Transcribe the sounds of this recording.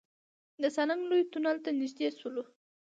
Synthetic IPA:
d̪əsanaŋɡlojt̪unalt̪anɪʒd̪eswulo

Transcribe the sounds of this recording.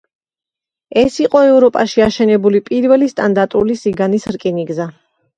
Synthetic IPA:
ɛsiqʼɔɛvɾɔpʼaʃiaʃɛnɛbulipʼiɾvɛlist̪ʼand̪aɾt̪ʼulisiɡanisɾkʼiniɡza

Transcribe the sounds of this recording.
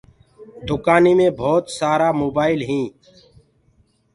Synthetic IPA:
d̪ʱʊkaːniːmẽːbʱɔːt̪saːɾaːmoːbaːɪlɦĩː

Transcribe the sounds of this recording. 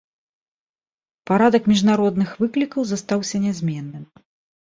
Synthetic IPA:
paɾad̪ɐkmʲiʐnaɾɔd̪nɨxvɨklʲikɐwzast̪awsʲɐnʲɛzʲmʲɛnːɨm

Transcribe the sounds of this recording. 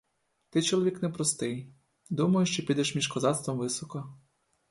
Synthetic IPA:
t̪ɪt͡ʃɔlˠɔʋʲiknɛpɾɔst̪ɪj | d̪umɐjʊʃt͡ʃɔpʲid̪ɛʃmʲiʃkɔzɑt̪st̪ʋɔmʋɪsɔkɔ

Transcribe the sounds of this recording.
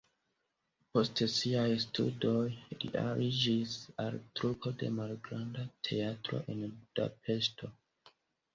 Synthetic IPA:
po̞stsiajstʰṵdo̞jlḭʔa̰ɾʔid͡ʒisaltɾupʰo̞de̞̰malɡɾandatʰe̞atɾo̞̰ʔe̞nbuda̰pʰe̞sto̞

